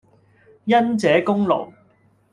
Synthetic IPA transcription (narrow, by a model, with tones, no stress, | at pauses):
jɐ˥nt͡sɛː˨˥kʊ˥ŋlo̰˨˩w